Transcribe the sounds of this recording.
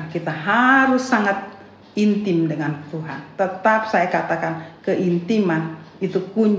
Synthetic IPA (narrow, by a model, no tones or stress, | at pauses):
kit̪aɦaɾʊsːaŋat̪̚ | int̪ɪmdəŋant̪uɦa̰nt̪ət̪ap̚sajakat̪akankəʔint̪imanit̪ukuɲ